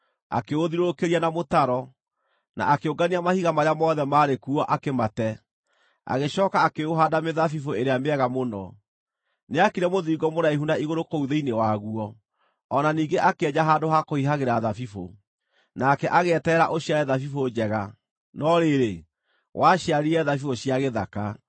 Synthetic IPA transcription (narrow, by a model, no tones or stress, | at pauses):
a̰keoðiɾookeɾianamotaɾɔ | na̰ʔakeoɡaniamahiɣamaɾamɔːðɛmaːɾekuɔʔakematɛ | a̰ɣeɕɔːkaːkeoɦadameðafifoeɾeameɛɣamonɔ | neakiɾɛmoðiːɡɔmoɾaehundaiɣoɾokouðeinewaɣuɔː | naniːŋɡeʔakeɛɲaɦaːdoɦakohiɦaɣeɾaðafifo̰ | nakɛʔaɣeɛtɛːɾaʔoɕiaɾɛðafifod͡ʑɛɣa | nɔɾeɾe | wʔaɕiaɾiɛðafifoɕiaɣeðaka